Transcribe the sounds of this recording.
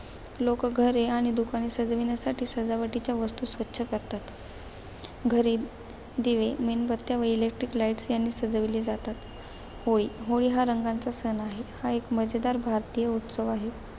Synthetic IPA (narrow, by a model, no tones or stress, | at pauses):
lokɡʱəɾeaɽ̃id̪ukañisəd͡zʋinjasaʈʰiːsəd͡zaʋəʈit͡ɕjaʋəst̪uːsʋətːɕʰəkəɾt̪at̪ | ɡʱəɾi | d̪iʋemenbət̪ːjaʋəilek̚ʈɾiklaiʈsjanːiːsəd͡zʋilid͡zat̪at̪ | hoɭiːɦoɭiːɦaɾəŋɡant͡sasənaɦehaekməd͡zed̪aɾbʱaɾt̪ijəut̪səʋaɦe